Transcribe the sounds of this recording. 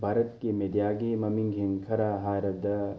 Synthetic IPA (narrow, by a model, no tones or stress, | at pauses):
bʱaːɾɐt̪kemed̪jaːɡiːmɐmiŋɡʱiŋkʰɐɾaːɦaːɾɐd̪ɐ